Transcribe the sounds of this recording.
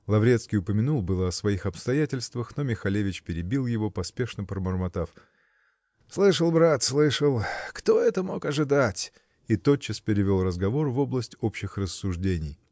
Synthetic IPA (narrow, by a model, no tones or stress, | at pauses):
lˠɐvɾʲet̪skʲijʊpəmʲɪnulˠbɨlˠəɐsvɐixɐpst̪ɐjætʲɪlʲst̪vəxno̞mʲɪxɐlʲevʲɪt͡ɕpʲɪɾʲɪbʲilˠjɪvo̞pɐspʲe̞ʂnəpɾəmərmɐt̪af | slˠɨʂəlˠbɾat̪slˠɨʂəlˠkt̪o̞ɛt̪əmo̞kɐʐɨd̪atʲ | it̪o̞tt͡ɕːɪspʲɪɾʲɪvʲo̞lˠrəzɡɐvo̞rvo̞blˠəsʲtʲo̞pɕːɪxrəsːʊʐdʲenʲɪj